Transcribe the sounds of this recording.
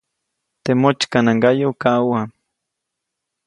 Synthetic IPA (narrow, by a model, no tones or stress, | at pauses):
t̪emot͡ʃkanaŋɡajokawa